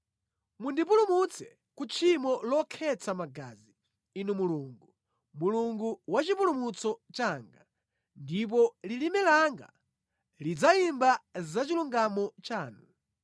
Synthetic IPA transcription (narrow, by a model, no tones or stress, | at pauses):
mundip̬ulumut͡sɛ | kut͡ʃʰimɔlɔkʰɛt͡sʰamaɡa̰ːzi | inumuluːŋɡu | muluŋɡuwat͡ʃip̬ulumut͡sɔt͡ʃaːŋɡa | ndip̬ɔlilimɛlaŋɡa̰ | lid͡zaimbazat͡ʃiluŋɡamɔt͡ʃaːnu